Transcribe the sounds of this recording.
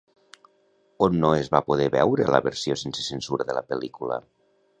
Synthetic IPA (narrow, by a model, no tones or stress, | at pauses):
onːoezβapoð̞ɛβɛwɾələ̰βəɾsijosensə̥sənsuɾəðələpəlikulə̰